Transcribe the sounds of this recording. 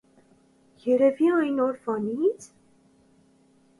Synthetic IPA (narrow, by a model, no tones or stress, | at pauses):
jɛɾɛviɑjnɔɾvɑnit͡sʰ